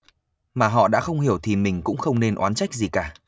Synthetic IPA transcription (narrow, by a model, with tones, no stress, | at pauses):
maː˨˩ɦɔ̰˧˨ɗa̰ː˧˥xə˧wŋ͡mhi˧˩əwt̪ʰi˨˩mï˨˩ŋ̟kʊ̰˧˥ŋ͡mxə˧wŋ͡mne˧nʔwaː˨˦nt͡ɕa˦˥jk̟̚zi˨˩kaː˧˩